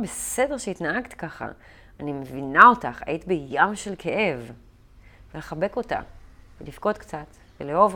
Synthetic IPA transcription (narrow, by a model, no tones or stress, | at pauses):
bese̞deʁʃeitnaaɡt̪i̥kaχa̰ | animevinao̞taχa̰jit̪ibejamʃelkʰe̞ʔe̞v | vele̞χabe̞ko̞ta̰velifko̞t̪kt͡sat̪ | veleo̞v